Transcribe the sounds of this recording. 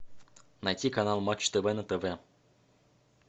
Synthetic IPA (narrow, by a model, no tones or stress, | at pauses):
najtʲikanalˠmat͡ʃt̪əvɛnət̪əvɛ